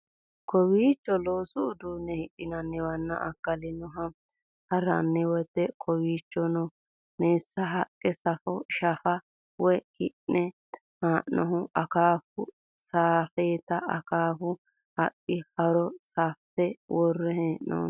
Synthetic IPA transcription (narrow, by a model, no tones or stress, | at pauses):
kɔwiːt͡ʃːɔloːsʊːd̪unːɛhɪʔɪnɐnːɛwɐnːɐ̰ʔɐkːɐlɪnʊɦɐ | hɐɾɐ̰nːɛwɔt̪ːɛkʰɔwiːt͡ʃːɔnɔ | neːsːɐɦɐkʼːɛsɐfɔʃɐfɐ | wɔkɪʔnɛ | haːʔnɔɦʊʔɐkaːfʊ | saːfeːt̪ɐɐkaːfʊ | hɐpːɪhɐɾɔsaːft̪ɛwɔrːɛɦɛʔno̰